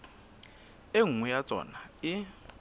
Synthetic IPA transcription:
eŋujat͡sʼɔ̰ːnai

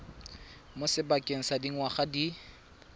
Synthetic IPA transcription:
mʊsɪbakʼeŋ̩sadiŋ̩waχadi

